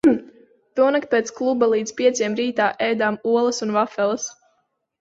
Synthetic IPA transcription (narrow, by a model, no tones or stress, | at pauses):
t̪uɔnakt̪̚pʲeːt̪sklˠubalˠiːd̪zpʲiɛt̪sʲiɛmɾiːt̪aːʔɛjd̪aːmuɔlˠɐsunvafɛlˠəs